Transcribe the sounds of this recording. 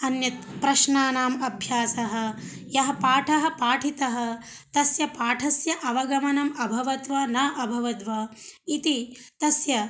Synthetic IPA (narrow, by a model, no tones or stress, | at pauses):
ɐnjɐt̪̚pɾɐʃnaːnaːmɐbʱjaːsɐɦɐ̆ | jɐɦɐpaːʈʰɐɦɐ̆paːʈʰit̪ɐɦɐ̆ | t̪ɐsjɐpaːʈʰɐsjɐʔɐʋɐɡɐmɐnɐmɐbʱɐʋɐt̪ʋɐnɐːʔɐbʱɐʋɐd̪ʋɐit̪it̪ɐsjɐ